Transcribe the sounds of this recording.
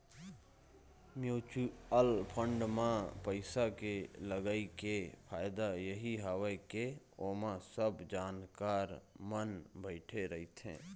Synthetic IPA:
mjuːt͡ʃuəlpʰə̃ɳɖmãpəɪsakeləɡaːikepʰaːɪd̪ajəɦiɦəwəke | oːmãsəbd͡ʒaːnkaːɾmənbəɪʈʰeɾəɦit̪ʰɛ̰̃ː

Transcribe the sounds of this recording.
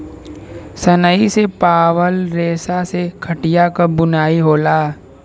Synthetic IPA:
sənəisepaːwəlɾeːsasekʰɐʈijakəbʊnaːiɦoːlaː

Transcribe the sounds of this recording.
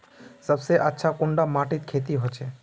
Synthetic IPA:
səbseʔətːʃʰakʊ̃ɳɖamaʈit̪̚kʰet̪iɦot͡ʃʰe

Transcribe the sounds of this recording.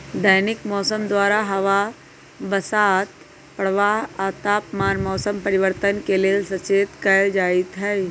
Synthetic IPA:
d̪əːnɪkmɔːsəmd̪waːɾaɦɐʋa | bɐsaːt̪ | pəɽ̤ʋaːɦaːt̪aːpmaːnmɔːsəmpɐɾɪʋəɾt̪ənkeleesɐt͡ʃeːt̪kɐjd͡ʒaːit̪ɦɛː

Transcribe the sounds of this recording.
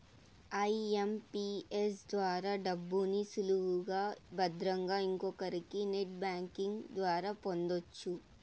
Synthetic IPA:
ɐjempies̬d̪ʋaːɾaːɖɐbːunisuluʋuɡaːbɐd̪ɾɐŋɡaːiŋkɔkɐɾikineʈ̚baːŋkiŋɡd̪ʋaːɾaːpo̞nd̪ot͡ʃːu

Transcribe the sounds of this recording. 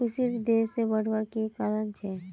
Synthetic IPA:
ʊsiɾd̪eːsebəɽ̤ʋəɾkekaːɾəɳt͡ʃʰe

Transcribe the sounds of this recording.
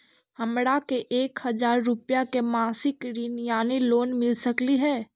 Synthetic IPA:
hɐmɽakeʔeːkhɐzaːɾːʊpjakemaːsɪkɾiːnjaːniloːnmɪlsəkliɦɛː

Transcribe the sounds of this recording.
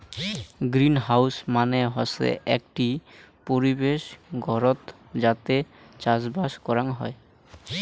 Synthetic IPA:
ɡɾinɦawsmaneɦɔsḛʔɛkʈi | poɾibeʃɡʱɔɾɔt̪ | d͡ʑat̪e | t͡ɕad͡ʑbaʃkɔɾanɦɔe

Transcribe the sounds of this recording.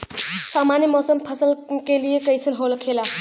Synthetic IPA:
saːmaːnjəmɔːsəmpʰəsəlkelijekəjsʰənɦoːlkʰeːla

